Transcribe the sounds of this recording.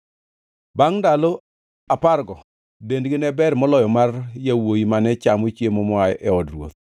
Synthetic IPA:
baŋndalo | aparɡɔ | dendɡɪnɛbɛɾmɔlɔjɔmarjawoimanɛt͡ʃamot͡ʃjemɔmɔajʔɛɔdrwo̰t̪̚

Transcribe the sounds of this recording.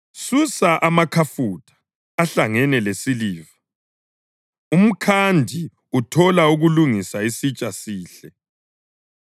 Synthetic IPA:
susaʔamakʰafutʰʼḁː | ɬaŋɛnɛlesiliːva | um̩kʰandʱi | utʰɔlauɣuluŋisaisit͡ʃʼasiːɬɛ

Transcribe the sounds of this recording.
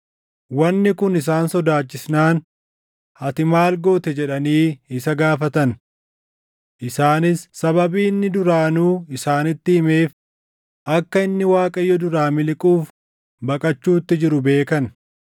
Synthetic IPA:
wɐnːɪkʊnɪs̬aːnsɔd̪aːt͡ʃːɪsnaːn | hɐt̪ɪmaːlɡo̞ːt̪ɛd͡ʒɛᶑɐniːɪsɐɡaːfɐt̪ɐn | ʔɪsaːnɪsːɐbɐbiːnːɪd̪ʊɾaːnuːɪsaːnɪt̪ːɪɪme̞ːf | ʔɐkːɐɪnːɪwaːkʼɐjːɔd̪ʊɾaːmɪlɪkʼuːf | bɐkʼɐt͡ʃːuːt̪ːɪd͡ʒɪɾʊbe̞ːkɐn

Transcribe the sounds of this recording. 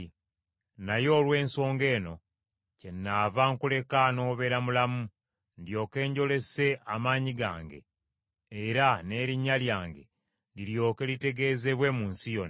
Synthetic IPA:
najo̞ːlwe̞ːnso̞ːŋɡe̞ːno̞ | ce̞nːavaŋkule̞kano̞ːβe̞ɾamulamu | ndjo̞ːke̞ːɲɟo̞le̞se̞ʔamaːɲiɡa̰ːŋɡe̞̰ː | ɾane̞ːɾiɲːaljaːŋɡe̞̰ | diljo̞ːke̞lite̞ɡe̞ːze̞βwe̞muːnsijo̞n

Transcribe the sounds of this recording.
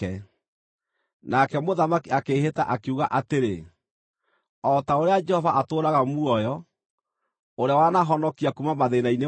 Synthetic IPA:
ɛ | nakɛmoðamakiakeɦeta̰ʔakeuɣaʔateɾe | ɔtaoɾead͡ʒɛhɔvaʔatoːɾaɣamuɔjɔ | oɾeawanaɦɔnɔkiakumamaðenaine

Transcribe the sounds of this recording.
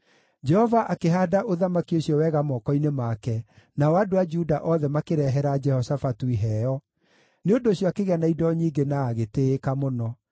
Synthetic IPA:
d͡ʒɛhɔvaʔakeɦaːdaʔoðamakioɕjɔwɛɣamɔːkɔinemakɛnaɔwadoad͡ʒudaʔɔðɛmakeɾɛɦɛɾad͡ʒɛhɔsafatuiɦɛɔ | neondoɕjɔakeɣeanaidɔɲiːŋɡenaːɣeteːkamonɔ

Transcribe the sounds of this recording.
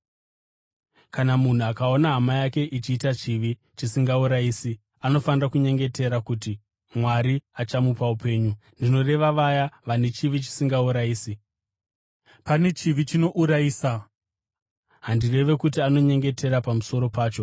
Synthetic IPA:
kanamun̤uakao̞naɦamajake̞ʔit͡ʃiːtat͡ʃiʋi | t͡ʃisiŋɡauɾaiːsi | ano̞fanirakuɲe̞ŋɡe̞te̞ɾakuːti | mwaɾiat͡ʃamupaupe̞ːɲundino̞re̞ʋaʋajaʋane̞t͡ʃiʋit͡ʃi̥siŋɡauɾaiːsi | pane̞t͡ʃiʋit͡ʃino̞ʔuɾaiːsa | ɦandire̞ʋe̞kutiano̞ɲe̞ŋɡe̞te̞ɾapamuso̞ɾo̞paːt͡ʃo̞

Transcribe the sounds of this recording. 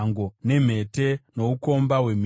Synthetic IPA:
ŋɡo̞ne̞m̤e̞te̞no̞uko̞mbawe̞m

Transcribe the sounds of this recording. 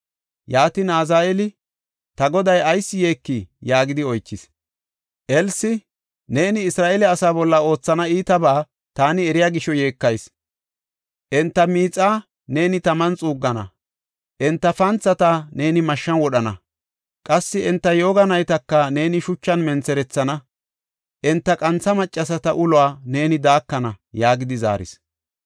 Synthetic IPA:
jaːt̪ɪnaːzaːʔɛlɪ | t̪ɐɡɔd̪ɐjɐjsːɪje̞ːkːijaːɡɪd̪ɪɔjt͡ʃːɪs | ʔɛlsɪ | ne̞ːnɪːsɾaːʔɛlɛɐsaːbɔlːɐo̞ːt͡sːɐnɐiːt̪ɐbaː | t̪aːnɪɛɾɪjaːɡɪʃɔje̞ːkːɐjs | ʔɛnt̪ːɐmiːt͡sʼːaː | ne̞ːnɪt̪ɐmɐnt͡sʼuːɡːɐnɐ̰ | ʔɛnt̪ːɐfɐnt͡sːɐt̪ane̞ːnɪmɐʃːɐnwɔɗɐnɐ̰ | kʼɐsːɪɛnt̪ːɐjo̞ːɡɐnɐjt̪ɐkːɐne̞ːnɪʃʊt͡ʃːɐnmɛnt͡sɛɾɛt͡sːɐnɐ | ʔɛnt̪ːɐkʼɐnt͡sɐmɐt͡ʃʼːɐs̬ɐt̪ɐʔʊlʊwaːne̞ːnɪd̪aːkːɐnɐjaːɡɪd̪ɪza̰ːɾɪ̰s

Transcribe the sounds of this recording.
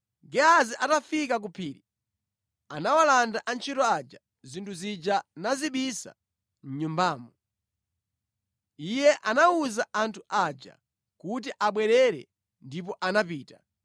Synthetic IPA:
ɡɛaziʔatafikak̬upʰiːɾi | anawalandaʔant͡ʃʰitɔad͡ʒa | zintʰuzid͡ʒanaziɓisa̰ | n̩ɲumbaːmɔ | ijɛʔanauzaʔantʰuʔad͡ʒa̰ | kut̬iʔaɓwɛɾɛɾɛ̰ | ndip̬ɔʔanap̬iːta

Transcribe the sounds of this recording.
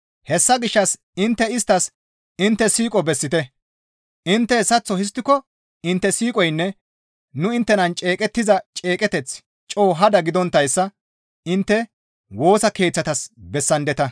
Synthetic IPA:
hɛsːɐɡɪʃːɐs | ɪnt̪ːɛɪst̪ːɐs | ɪnt̪ːɛsiːkʼɔbɛsːɪt̪ɛ | ʔɪnt̪ːɛsɐt͡sːɔhɪs̬t̪ːɪkɔ | ɪnt̪ːɛsiːkʼɔjnːɛ | nʊɪnt̪ːɛnɐnt͡ʃʼe̞ːkʼɛt̪ːɪzɐt͡ʃʼe̞ːkʼɛt̪ɛt͡s | t͡ʃʼo̞ːɦɐd̪ɐɡɪd̪ɔnt̪ːɐjsːɐ | ɪnt̪ːɛ | wo̞ːsɐke̞ːt͡sːɐt̪ɐsbɛsːɐnd̪ɛt̪ɐ

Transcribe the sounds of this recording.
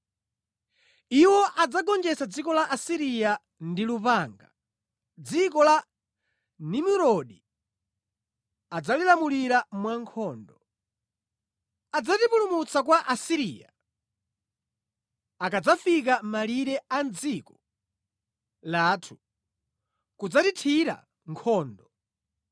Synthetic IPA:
iwɔʔad͡zaɡɔnd͡ʒɛsad͡zikɔlaʔasiɾija | ndilupaŋɡa̰ | d͡zikɔla | nimuɾɔɗi | ad͡zalilamuliɾamwaŋkʰɔːndɔ | ad͡zatipulumut͡sak̬waʔasiɾiːja̰ | akad͡zafikamaliɾɛand͡zikɔ | laːtʰu̥ | kud͡zatitʰiɾa̰ | ŋkʰɔːndɔ

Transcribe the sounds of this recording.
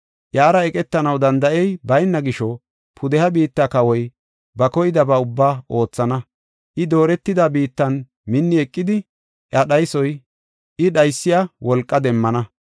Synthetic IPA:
ʔjaːɾɐɛkʼɛt̪ːɐnɐwd̪ɐnd̪ɐʔɛjbɐjnːɐɡɪʃɔ | pʰʊd̪ɛhɐbiːt̪ːakɐwɔj | bɐkɔjɪd̪ɐbɐʊbːaːʔo̞ːt͡sːɐnɐ | ʔɪd̪o̞ːɾɛt̪ːɪd̪abiːt̪ːɐn | mɪnːɪɛkʼːɪd̪ɪ | ʔɐɗɐjsɔj | ʔɪɗɐjsːɪjɐwɔlkʼːɐd̪ɛmːɐnɐ

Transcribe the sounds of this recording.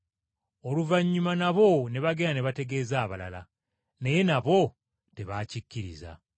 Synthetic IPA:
oluvaɲːumanaβo̞ne̞βaɡeːnaneβate̞ɡe̞ːzaːβala̰la | neje̞naβo̞ | teβaːcicːiɾḭza̰

